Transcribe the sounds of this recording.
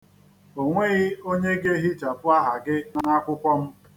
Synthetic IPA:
o˨ŋʷe˦ɣɪ˦o˦ɲe˦ɡe˦ɦi˦t͡ʃa˨pʊ˦a˦ɦa˨ɡɪ˦na˨ŋa˦kʷʊ˦kʷɔ˦m̩˦

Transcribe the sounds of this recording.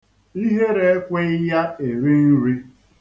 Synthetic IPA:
i˦ɦe˦ɾe˨e˦kʷe˦ɪ˦ja˦e˨ɾi˦n̩˦ɾi˦

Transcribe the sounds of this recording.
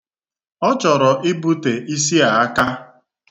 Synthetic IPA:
ɔ˦t͡ʃɔ˨ɾɔ˨ʔɪ˦bu˦te˨ʔi˦s̬i˦a˨a˦ka˦

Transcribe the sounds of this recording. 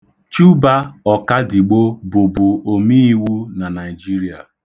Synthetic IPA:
t͡ʃu˦ba˦ɔ˨ka˦di˨ɡ͡bo˦bʊ˨bʊ˨o˨mi˦i˦wu˦na˨na˨ɪ˨d͡ʒi˦ɾi˦a˨

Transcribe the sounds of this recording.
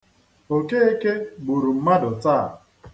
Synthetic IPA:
o˨ke˦e˦ke˦ɡ͡bu˨ɾu˨m̩˦ma˦dʊ˨ta̰˦˨

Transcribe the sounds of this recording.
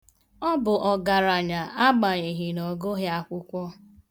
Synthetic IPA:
ɔ˦bʊ˨ʔɔ˨ɡa˨ɾa˨ɲa˨ʔa˦ɡ͡ba˨ɲi˨ɦi˨nɔ˨ɡo˦ɦja˦kʷʊ˦kʷɔ˦

